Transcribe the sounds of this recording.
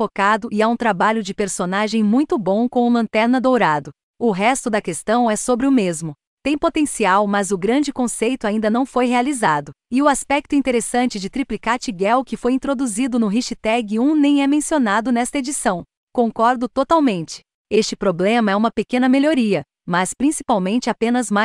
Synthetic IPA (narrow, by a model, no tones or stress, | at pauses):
fokad̪ʊʔɪaũt̪ɾabaʎʊd͡ʒɪpeɾsonaʒẽj̃mũj̃t̪ʊbõw̃kõw̃ʊlɐ̃nt̪ɛɾnɐd̪owɾad̪ʊ | ʊɦɛst̪ʊd̪ɐkest̪ɐ̃w̃ɛsobɾɪʊmezmʊ | t̪ẽj̃pot̪ẽsiawmɐzʊɡɾɐ̃nd͡ʒɪkõsejt̪ʊaĩnd̪ɐnɐ̃w̃fojɦealizad̪ʊ | ɪʊaspɛk̚t̪ʊĩnt̪eɾesɐ̃nt͡ʃɪd͡ʒɪt̪ɾiplikaɾt͡ʃiɡɛwkɪfojĩnt̪ɾod̪uzid̪ʊnʊɦiʃit̪ɛɡɪũnẽj̃ɛmẽsionad̪ʊnɛst̪ɐed͡ʒisɐ̃w̃ | kõkɔɾd̪ʊt̪ot̪awmẽnt͡ʃɪ̥ | est͡ʃɪpɾoblẽmɐɛũmɐpekẽnɐmeloɾiɐ | mɐspɾĩsi̥pawmẽnt͡ʃɪapẽnɐzma